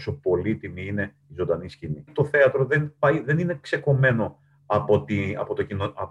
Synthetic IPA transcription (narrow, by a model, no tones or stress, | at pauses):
so̞po̞lit̪imiine̞ | izo̞nd̪ɐniscinit̪o̞θe̞ɐt̪ɾo̞ðe̞npɐjðe̞nine̞kse̞ko̞me̞no̞ | ɐpot̪iɐ̰pot̪ocinoɐ